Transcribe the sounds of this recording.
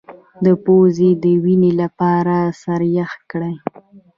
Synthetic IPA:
d̪əpozed̪əwinelapɑɾasaɾjaxt̪̚kɽaj

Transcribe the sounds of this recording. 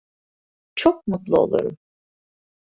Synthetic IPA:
t͡ʃʰok̚mut̪lˠuo̞̰lˠṵɾṵm

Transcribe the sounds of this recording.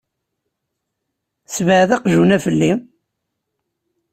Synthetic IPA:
svʕðæqʒunæfəlːi

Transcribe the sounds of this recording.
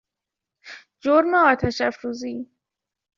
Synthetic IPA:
d͡ʒoɾmeɒːt̪ʰæʃæfɾuːziː

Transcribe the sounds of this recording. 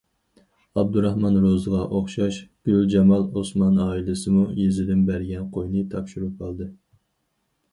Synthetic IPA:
ɑb̚d̪uɾɑhmɑnɾozɨʁɑʔoχʃɑʃɡ̥ʲyld͡ʒɛmɑlˠosmɑnɑːilɪsɨmujezɪd̪ɪmbæɾɡʲɛnqʰojnɨt̪ʰɑpʃuɾup̚qʰɑlˠd̪ɨ

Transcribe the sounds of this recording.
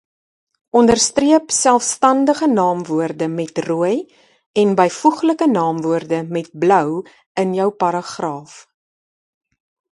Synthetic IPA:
ʔɔndərstriəpsælˠfstɐndəχənɑːmvuərdəmɛtruəj | ɛnbəjfuχləkənɑːmvuərdəmɛt̚blœw | ənjœwpɐɾɑχrɑːf

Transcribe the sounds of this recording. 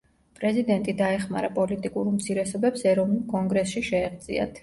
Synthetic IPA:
pʼɾɛzid̪ɛnt̪ʼid̪aɛχmaɾapʼɔlit̪ʼikʼuɾmt̪sʰiɾɛsɔbɛpsɛɾɔvnulˠkʼɔŋɡɾɛsʃiʃɛːʁd̪zʼḭa̰t̪ʰ

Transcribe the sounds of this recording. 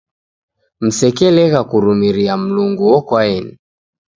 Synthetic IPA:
m̩sɛkɛlɛɣakuɾumiɾiam̩luŋɡuwɔkwaɛni

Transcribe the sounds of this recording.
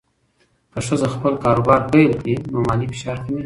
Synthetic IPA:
kəʂəzaxpəlkɑɾobɑɾpejlkɽinomɑlifɪ̥ʃɑɾk̪imi

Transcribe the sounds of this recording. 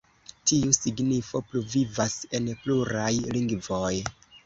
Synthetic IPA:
tiusiɡnifo̞pluvivase̞npluɾajliŋɡvo̞j

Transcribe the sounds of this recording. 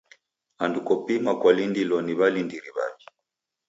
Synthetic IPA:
andukɔpimakwalindilɔniβalindiɾiβa̰βi

